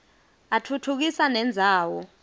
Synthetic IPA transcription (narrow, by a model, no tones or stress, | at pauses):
atʰutʰuk̬isanɛnd͡zʱaːwɔ